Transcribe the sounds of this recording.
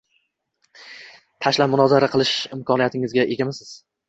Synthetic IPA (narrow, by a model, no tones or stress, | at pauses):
t̪ʰaʃlapmʊnɒzaɾaqʰɨlˠɪʃɪmkʰɒnijat̪ʰɪŋɪzɡʲaʔe̞ɡʲamɪsɪz̥